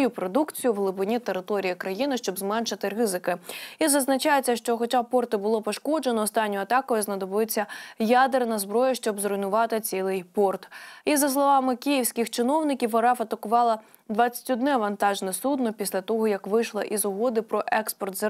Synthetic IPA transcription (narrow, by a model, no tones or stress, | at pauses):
jupɾɔd̪ukt͡sʲijʊwɦlˠɪbʊnʲit̪eɾɪt̪ɔɾʲijikɾɐjinɪʃt͡ʃɔbzmɛnʃɪt̪ɪrɪzɪkɪizɐznɐt͡ʃɑjet͡sʲːɐʃt͡ʃɔxɔt͡ʃɑpɔrt̪ɪbʊlˠɔpɔʃkɔd͡ʒenɔːst̪ɑnʲːɔjɐt̪ɑkɔjʊznɐd̪ɔbɪt͡sʲːɐjad̪ernɐzbɾɔjɐʃt͡ʃɔbzɾɔjnʊʋɑt̪ɪt͡sʲilˠɪjpɔrt̪izɐs̬lˠɔʋɑmɪkʲijiwsʲkʲɪxt͡ʃɪnɔwnɪkʲiwɐɾɑfɐt̪ɐkʊʋɑlˠɐ | d̪ʋɑt͡sʲːɐ̥tʲɔd̪nɛʋɐnt̪ɑʒnɛsud̪nɔpʲisʲlʲɐt̪ɔɦɔjɐkʋɪʃlˠɐʔizʊɦɔd̪ɪpɾɔʔɛkspɔrt̪zɐ